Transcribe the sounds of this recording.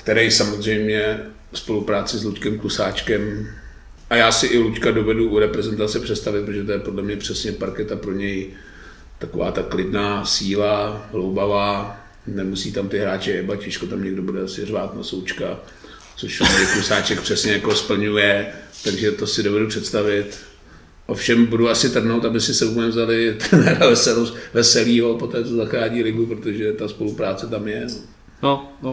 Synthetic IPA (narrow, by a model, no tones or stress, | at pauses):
kt̪ɛɾɛjsamozr̝ɛjmɲɛ | spo̞lupɾaːt͡sɪsluckɛmklusaːt͡ʃkɛm | ʔajaːsɪʔɪluckado̞vɛduʔuɾɛpɾɛzɛnt̪at͡sɛpr̝̥ɛt̪st̪avɪt̪pɾot̪oʒɛt̪ojɛpodlɛmɲɛpr̥ɛsɲɛpaɾkɛt̪apɾo̞ɲɛj | t̪ako̞va̰ːt̪aklɪdnaːsiːlaɦlowbavaː | nɛmusiːt̪amt̪ɪɦɾaːt͡ʃɪɛbacɛʃkot̪amɲɛɡdobudɛsɪrvaːt̪na̰sowt͡ʃka | t͡soʃamɛɾɪkusaːt͡ʃɛk̚pr̥ɛsɲɛjakospl̩ɲujɛt̪aɡʒɛt̪osɪdo̞vɛdupr̝̥ɛt̪st̪avɪt̪ | ʔofʃɛmbuduasɪt̪r̩ɦnowt̪abɪsɪsɛukɛmvzalɪt̪ɾɛnɛːɾavɛsɛlosvɛsɛliːɦo̞po̞t̪ɛːt͡sozaxɾaːɲiːlɪɡupɾot̪oʒɛt̪aspo̞lupɾaːt͡sɛt̪amjɛno | non